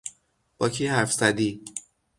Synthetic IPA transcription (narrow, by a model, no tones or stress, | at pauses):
b̥ɒːcʰiːhæɾfz̥æd̪iː